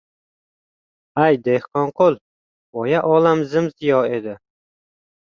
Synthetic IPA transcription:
ajd̪ehqɒɴqʰolˠ | vɒjaʔɒlamzɪmzɪjɒe̞d̪ɪ

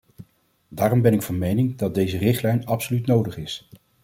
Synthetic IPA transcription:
daːrɔmbɛnɪkfɑnmejnɪŋdɑd̚dejzərɪχtlɛjnɑpsolytnowdəχɪs

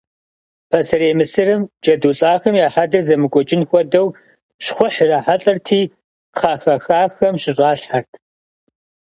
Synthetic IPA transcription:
pʰɐsɐɾeːmɨsɨrɨmd͡ʒʼɐduːɬʼaːxɐmjaːħadɐzɐmɨɡʷʼɔt͡ʃʼɪnxʷɔdɐw | ʃχʷʊħraːħaɬʼɐrtʰiː | qʰaːxɐxaːxɐmɕɪɕʷʼaːɬħartʰ

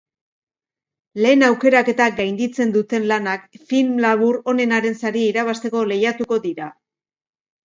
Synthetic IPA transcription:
le̞ːnawke̞ɾake̞t̪aɡajnd̪it͡se̞nd̪ut̪e̞nlanakfilmlaβ̞uɾo̞ne̞naɾe̞nsaɾieiɾaβ̞ast̪e̞ko̞le̞jat̪uko̞ðiɾa

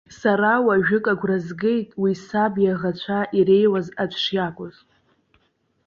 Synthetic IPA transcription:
saɾawaʒᶣʊkʼaɡʷrazɡe̞jtʼwisabjaʁat͡ɕʷʰaʔiɾe̞jwazad͡ʒʷʰʂjakʷʼʊz

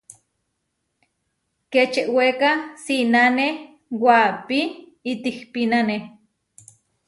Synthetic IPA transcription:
ket͡ʃeʔwekasinane | wapi | it̪ihpinane

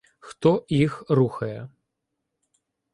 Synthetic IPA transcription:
xt̪ɔjixɾuxɐjɛ

